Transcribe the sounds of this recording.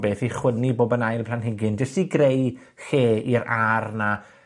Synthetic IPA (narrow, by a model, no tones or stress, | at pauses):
beːθiχwəniboːbənajlˠpʰl̥anɦɪɡɪnd͡ʒɛstiɡrej | xeːiɾarna